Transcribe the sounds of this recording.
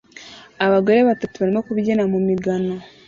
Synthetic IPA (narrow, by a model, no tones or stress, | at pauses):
aβaɡoɾeβatatuβaɾimokuβiɟenamumiɡano̞